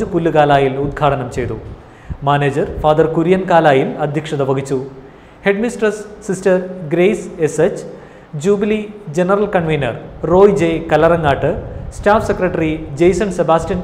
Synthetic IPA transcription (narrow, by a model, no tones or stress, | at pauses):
upulːukaːlaːjilud̪̚ɡʰʱaːʈɐnɐmt͡ɕe̞jt̪ṵ | maːneːd͡ʑɐrfaːd̪ɐrkuɾijɐnkaːlaːjilɐd̪ʱjɐkʂɐðɐʋɐɡit͡ɕːu | he̞ɖmisʈɐsːistɐrɡɾejseset͡ɕː | d͡ʑuːbilid͡ʑenɐrɐlkɐɳʋejnɐ̰rro̞ːjd͡ʑejkɐlɐrɐŋːaːʈːɨsʈaːfsekrɐʈːɐrid͡ʑejsɐnsebaːstijɐn